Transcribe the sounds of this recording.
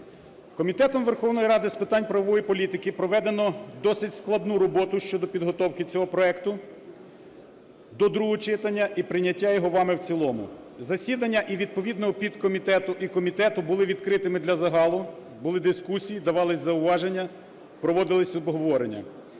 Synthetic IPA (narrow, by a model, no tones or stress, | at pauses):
kɔmʲit̪ɛt̪ɔmʋerxɔwnɔjiɾɑd̪ɪspɪt̪ɑnʲpɾɐʋɔʋɔjipɔlʲit̪ɪkɪpɾɔʋɛd̪enɔd̪ɔsɪtʲsklˠɐd̪nuɾɔbɔt̪ʊʃt͡ʃɔd̪ɔpʲid̪ɦɔt̪ɔwkɪt͡sʲɔɦɔpɾɔɛkt̪ʊ | d̪ɔd̪ɾuɦɔt͡ʃɪt̪ɐnʲːɐʔipɾɪnʲːɐtʲːajɔɦɔʋɑmɪwt͡sʲilˠɔmʊ̰ | zɐsʲid̪ɐnʲːɐʔiʋʲid̪̚pɔʋʲid̪nɔɦɔpʲid̪kɔmʲit̪ɛt̪ʊʔikɔmʲit̪ɛt̪ʊbʊlˠɪʋʲid̪kɾɪt̪ɪmɪd̪lʲɐzɐɦɑlˠʊ | bʊlˠɪd̪ɪskusʲijid̪ɐʋɑlˠɪsʲzɐʊʋɑʒenʲːɐ | pɾɔʋɔd̪ɪlˠɪsʲɔbɦɔʋɔɾenʲːɐ̰